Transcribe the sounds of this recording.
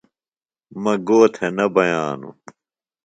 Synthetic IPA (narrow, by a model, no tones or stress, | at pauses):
mɐɡoːt̪ʰenɐbɐjaːnṵ